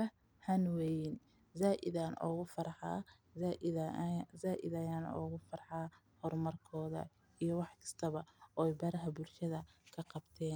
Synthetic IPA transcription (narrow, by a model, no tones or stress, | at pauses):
ɐ | hɐnwɛjɪn | zaːʔɪðaːnʔɔ̰ːɣʊfɐrħɑː | aʔɪzaːʔɪ̰ðɐjaːnɔ̰ːɣʊfɐrħɑː | hɔrmɐrkʰɔːðɐ̰ | ijɞwɑħkʰɐ̥st̪ʰɐβɐɔːɛjbɐɾɐɦɐbʊlʃɐðɐkʰɐqɑbt̪ʰɛːn